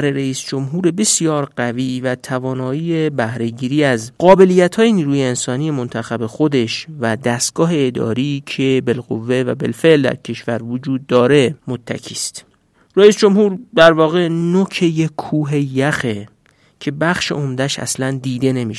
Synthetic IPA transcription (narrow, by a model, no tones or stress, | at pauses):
ɾeɾeiːsd͡ʒo̞mɦuːɾe̞be̞sijɒːɾɢæviːvæt̪ʰævɒːnɒːiːjebæhɾe̞ɟiːɾiːæzɢɒːbe̞lijːæt̪ʰhɒːjeniːɾuːjeːnsɒːniːjemont̪ʰæxæbe̞xo̞d̪e̞ʃvæd̪æst̪̚ɡ̥ɒːɦe̞ːd̪ɒ̰ːɾicʰe̞belɣo̰vːe̞væ̰bḛlfe̞ʔld̪æ̰ɾcʰe̞ʃvæɾvod͡ʒuːd̪ːɒːɾe̞mo̞t̪ʰːæ̰cʰiːst̪ | ræiːsd͡ʒo̞mhuːɾd̪æɾvɒːɣenocʰejekʰːuːɦe̞jæxe | cʰe̞bæxʃḛomd̪æʃæ̰slænd̪iːd̪e̞ne̞miːʃ